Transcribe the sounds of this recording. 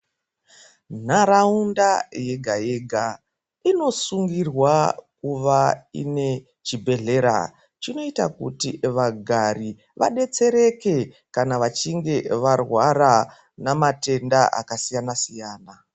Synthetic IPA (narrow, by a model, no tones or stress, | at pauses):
n̤aɾaundaje̞ɡʱaje̞ɡʱa | ino̞suŋɡirwakuʋaḭne̞ | t͡ʃibʱe̞ɮe̞ɾa̰ | t͡ʃino̞ita̰kṵtiʋaɡʱari | ʋa̰ɗe̞t͡se̞ɾe̞ke̞ | kanaʋat͡ʃiŋɡe̞ʋarwaɾa | namate̞ndaʔa̰kasijanasijaːna